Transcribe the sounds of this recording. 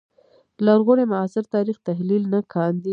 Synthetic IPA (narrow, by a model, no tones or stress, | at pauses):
laɾɣoɽemaɑsɪɾt̪ɑɾixt̪aɦlilnakʰɑnd̪i